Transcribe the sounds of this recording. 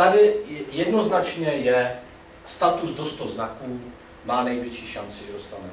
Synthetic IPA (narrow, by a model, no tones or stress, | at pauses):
t̪adɪjɛdnoznat͡ʃɲɛjɛ | st̪at̪uzdost̪oznakuː | maːnɛjvjɛt͡ʃiːʃant͡sɪʒɛdost̪anɛ